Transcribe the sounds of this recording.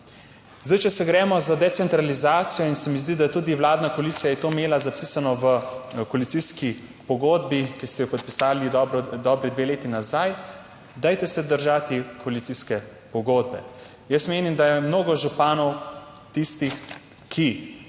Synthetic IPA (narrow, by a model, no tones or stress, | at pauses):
zd̪ajt͡ʃɛsɛɡɾɛːmɔzad̪ɛt̪sɛnt̪ɾalizaːt̪sijɔinsɛmizd̪id̪ajɛt̪uːd̪iwlaːd̪nakɔalit̪sijajɛt̪oːmeːlazapisanɔʋəkɔalit̪siski | pɔɡoːd̪̚bikist̪ɛjɔpɔt̪̚pisaːlid̪ɔbɾɔd̪ɔbɾid̪ʋeleːt̪inazaj | d̪ajt̪ɛsɛd̪əɾʒat̪ikɔalit̪siskɛ | pɔɡoːd̪̚bɛ | jəsmeːnimd̪ajɛmnoːɡɔʒupaːnɔw | t̪ist̪ix | kʰi